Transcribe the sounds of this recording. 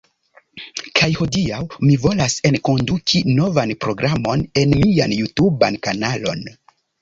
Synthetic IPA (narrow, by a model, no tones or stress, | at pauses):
kʰajho̞diawmivo̞lase̞nko̞ndukʰino̞vanpɾo̞ɡɾamo̞ne̞nmianjutubankanalo̞̰n